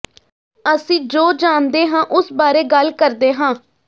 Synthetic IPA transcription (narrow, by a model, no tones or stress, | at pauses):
əsĩːd͡ʒoːd͡ʒaːnd̪eːɦãːʔʊsbaːɾeːɡəlkəɾd̪eːɦãː